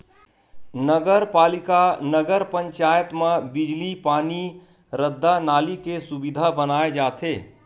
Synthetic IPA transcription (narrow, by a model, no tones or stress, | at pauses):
nəɡəɾpaːlikanəɡəɾpə̃ɲt͡ʃaːjət̪mẽbɪd͡ʒlipaːni | ɾəd̪ʱːanaːlikesubid̪ʱabənaːed͡ʒaːt̪ʰeː